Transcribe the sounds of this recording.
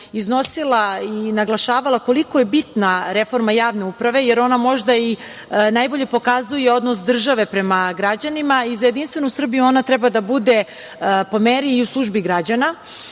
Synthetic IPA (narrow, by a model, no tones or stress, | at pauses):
izno̞silˠainaɡlˠaʃaːʋalˠako̞liko̞je̞bit̪naɾefo̞ɾmajaːʋne̞upɾaʋe̞jeɾo̞namo̞ʒd̪ai | najbo̞ʎe̞po̞kazujeo̞d̪nosd̪r̩ʒaʋe̞pɾemaɡɾad͡ʑanimaizajed̪inst̪ʋe̞nusr̩bijuo̞nat̪ɾɛbad̪abud̪e̞ | po̞meɾiːuslˠuʒbiɡɾad͡ʑana